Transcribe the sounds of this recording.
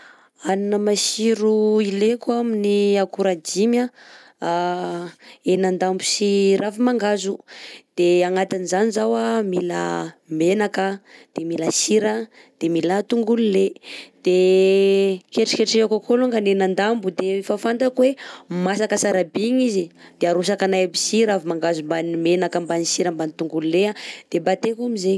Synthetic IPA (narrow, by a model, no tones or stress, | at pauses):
aninəmasiɾuilekuaminiakuɾad͡ʒimja | enand̪ambusiɾafimaŋɡazud̪̥eaŋat̪anizanizawamila̰menakəd̪̥emilasiɾə | d̪̥emilat̪uŋɡululed̪̥e | keʈ͡ʂi̥keʈ͡ʂiakakolaŋɡanenand̪ambud̪efafant̪akwemasakəsaɾabiŋizid̪̥eaɾus̬akanajabisiɾafimaŋɡazumbanimenakəmbanisiɾəmbanit̪uŋɡululead̪̥ebat̪ekamize